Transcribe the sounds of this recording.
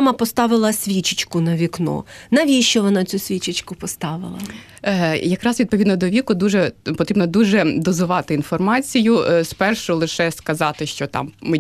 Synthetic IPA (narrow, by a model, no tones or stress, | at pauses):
mɐpɔst̪ɑʋɪlˠɐsʲʋʲit͡ʃɪt͡ʃkʊnɐʋʲiknɔ̰nɐʋʲiʃt͡ʃɔʋɔnɑt͡sʲusʲʋʲit͡ʃɪt͡ʃkʊpɔst̪ɑʋɪ̰lˠɐ̰ | jɐkɾɑsʋʲid̪̚pɔʋʲid̪nɔd̪ɔʋʲikʊd̪uʒɛpɔt̪ɾʲibnɔd̪uʒɛd̪ɔzʊʋɑt̪ɪinfɔrmɑt͡sʲijʊspɛrʃʊlˠɪʃɛskɐzɑt̪ɪʃt͡ʃɔt̪ɑ̰mːɪ